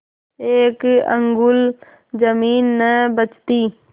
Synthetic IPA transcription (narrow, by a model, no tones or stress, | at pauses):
eːkə̰̃ŋɡʊl | d͡ʒəmiːnːəbət͡ʃt̪iː